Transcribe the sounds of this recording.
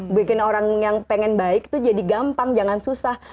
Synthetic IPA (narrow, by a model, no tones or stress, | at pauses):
bikɪnoɾaŋjaŋpɛŋɛnbaɪk̚t̪ud͡ʒadiɡampaŋd͡ʒaŋansusah